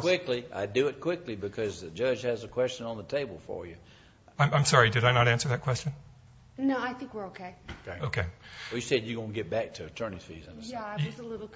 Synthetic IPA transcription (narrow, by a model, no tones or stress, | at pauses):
kʰw̥ɪklia̰ɪdɨɪt̚kʰw̥ɪklibɨkʰʌzðɨd͡ʒɜ˞d͡ʒɨzəkʰw̥ɛst͡ʃɨ̃nə̃nðətʰeɪbl̩ˠfə̰˞jɨ | ãɪ̃mãɪ̃msɑɹidɨɾaɪnəɾæ̃nsə˞ðɨt̚kʰw̥ɛst͡ʃɨ̃n | noʊaɪθɪ̃ŋkwəɹoʊkʰeɪoʊkʰeɪoʊkʰeɪwɛlˠjɨsɛd͡ʒjɨɡõʊ̃nɡɛt̚b̥æk̚tʰɨɨtʰɜ˞ni̥fḭzə̃nəæɪwʌzəlɪɾl̩ˠ